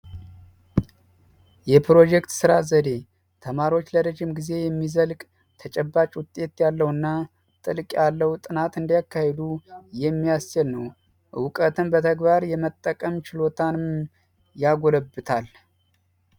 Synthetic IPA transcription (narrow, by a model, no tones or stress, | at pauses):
jɛpʰɾo̞d͡ʒɛkt̪sɨɾazəd̪e̞ | t̪ʰəmaɾiwo̞t͡ʃːləɾəʒɪmɡize̞jɛmːizəlkʼ | t̪ʰət͡ʃʼɛbːat͡ʃʼwʊt̪ʼːe̞t̪jalːəwɨnːa | t̪ʼɨlkʼjalːəhut̪ʼɨnat̪ɨnd̪jakʰːahed̪ujɛmːijast͡ʃɛlnəw | wʊkʼət̪ɨnbət̪ʰəɡbaɾjɛmət̪ʼːəkʼəmt͡ʃɪlo̞t̪ʰanɨm | jaɡo̞ləbːɨt̪ʰal